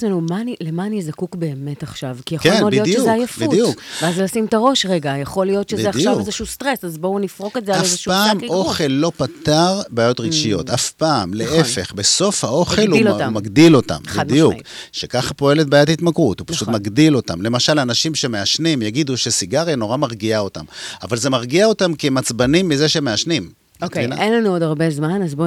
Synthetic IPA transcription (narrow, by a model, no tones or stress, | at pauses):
enumanilemaːnizakukbe̞ːme̞taχʃavkijaχkenlijott͡ʃeuzeajafbiudijukveazlasimtaʁo̞ʃʁe̞ɡajaχo̞lijo̞tʃezead̪iʃjavezeʃust̪ʁe̞sazbo̞unifʁo̞kezeaaefzeʃupaːmo̞χe̞lːo̞pat̪aʁbaːjo̞t̪ʁiɡʃijo̞̰t̪afpaːmleʔefe̞χbeso̞fhaʔo̞χelumaɡd̪ilo̞t̪a̰mbd̪ijukʃekaχapo̞e̞let̚baːjatait̪makʁut̪hupḁʃut̪maɡd̪ilo̞t̪amle̞maʃalanaʃimʃe̞me̞aʃnimjaɡid̪uʃe̞siɡaʁino̞ʁamaʁɡiao̞ta̰mavalze̞maʁɡiao̞tamkemat͡sbanimːizeʃeme̞aʃnim | kiaenlanuodaʁbezmanazbo